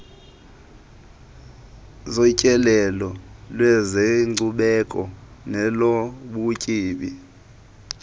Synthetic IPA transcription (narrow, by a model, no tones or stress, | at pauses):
zɔcʼɛlɛlɔlwɛzeŋ͡ǀʱuɓɛkʼɔnɛloɓucʼiːɓḭ